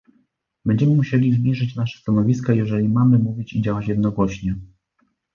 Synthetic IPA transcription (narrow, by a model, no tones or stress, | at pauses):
bɛɲd͡ʑɛmɘmuɕelʲizbʲiʐɘt͡ɕnaʂɛ̥st̪anɔvʲiskajɛʐɛlʲimamɘmuvʲit͡ɕid͡ʑawat͡ɕjɛd̪nɔɡwɔɕɲɛ